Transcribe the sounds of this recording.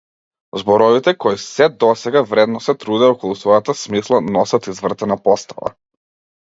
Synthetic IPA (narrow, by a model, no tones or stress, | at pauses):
zbɔɾɔvit̪ɛkɔisɛd̪ɔsɛɡavɾɛd̪nɔsɛt̪ɾud̪ɛɔkɔlˠusvɔjat̪asmislˠanɔsat̪izvr̩t̪ɛnapɔst̪a̰va̰